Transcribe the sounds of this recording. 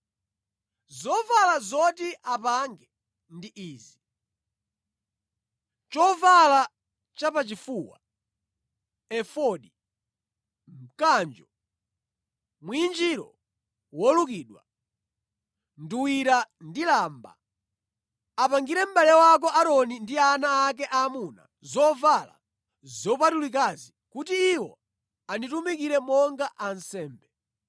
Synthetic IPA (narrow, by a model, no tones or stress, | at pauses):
zɔvalazɔtiʔapaŋɡɛ | ndiʔiːzi | t͡ʃɔvala | t͡ʃapat͡ʃifuːwa̰ | ɛfɔɗi | m̩kand͡ʒɔ | mwind͡ʒiɾɔ̰ | wɔlukiːɗwa̰ | nduwiɾandilaːmba̰ | apaŋɡiɾɛm̩balɛwɔak̬ɔʔaɾɔnindianaːk̬ɛʔamuna̰ | zɔvala̰ | zɔp̬atulik̬azikutiːwɔ̰ | anitumikiɾɛmɔŋɡaʔansɛːmbɛ